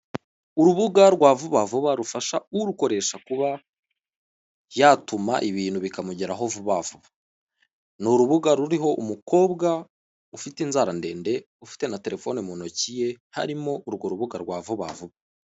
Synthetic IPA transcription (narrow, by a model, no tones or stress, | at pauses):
uɾuβuɡaɾɡwaːvuβavuβaɾufaʃauɾuko̞ɾe̞ʃakuβa | jatuma̰ʔiβiːn̥huβikamuɟeɾaɦo̞vuβavuβa | nuɾuβuɡaɾuɾiɦo̞ʔumuko̞ːβɡa | ufitinzaɾande̞ːnde̞ | ufi̥te̞nate̞ɾe̞fo̞nimunocije̞ha̰ɾimo̞uɾɡoɾuβuɡaɾɡwaːvuβa̰vuβa